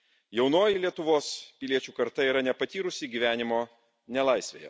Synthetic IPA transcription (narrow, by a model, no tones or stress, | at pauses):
jɛʊnoːjilʲiɛt̪ʊʋoːspʲɪlʲiɛt͡ʃʲuːkɐɾt̪ɐiːɾɐnʲɛpɐt̪ʲiːɾʊsʲɪɡʲiːʋʲæːnʲɪmoː | nʲɛlˠɐɪsʲʋʲḛːjɛ̰